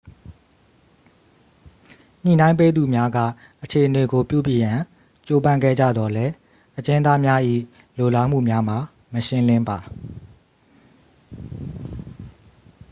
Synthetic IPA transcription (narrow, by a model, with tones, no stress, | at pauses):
n̥ḭ˨nã˦ɪ̃mpe˦d̪u˨mja˦ɡä̰˦˨ | ʔət͡ɕʰe˨ʔəne˨ɡo˨pjṵ˦˨bji˨jã˨ | t͡ɕo˨bã˦˨ŋɡɛ̰˦˨d͡ʑä̰˦˨d̪ɔ˨lɛ˦ | ʔət͡ɕɪ̃˦nd̪a˦mja˦ʔḭ˦˨ | lo˨la˦m̥ṵ˦˨mja˦m̥a˨ | məʃɪ̃˦lɪ̃˦mba˨